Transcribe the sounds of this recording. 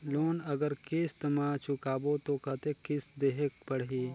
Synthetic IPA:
loːnɐɡəɾkɪst̪ɐmaːt͡ʃʊkaːbot̪okɐt̪ekɪsd̪eːɦek̚pɐɽɦiː

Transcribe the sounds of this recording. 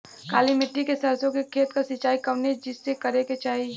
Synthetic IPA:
kaːlimɪʈːikesɐɾsõkekʰeːt̪kasɪt͡ʃːaːikɐʋned͡ʒɪsːekɐɾeket͡ʃaːɦi

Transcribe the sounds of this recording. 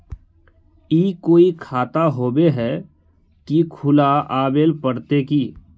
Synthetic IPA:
iːkoːikʰaːt̪aɦoːbeɦɛ | kikʰʊlaʔaːbeːlpəɽt̪ekiː

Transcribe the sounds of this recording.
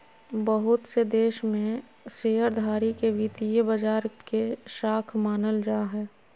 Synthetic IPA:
bəɦʊt̪sed̪eːʃmẽ | seːɦəɾd̪ʱaːɾikeʋit̪ijəbəd͡ʒaːɾkeʃaːkʰmaːnəld͡ʒaːɦɛː

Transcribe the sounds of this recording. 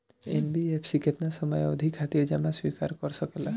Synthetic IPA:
ḛnbiepʰsiket̪nasɔmɔjɔd̪ʱikʰːat̪iɾd͡ʒamãswika̰ɾkɔɾsɔkela

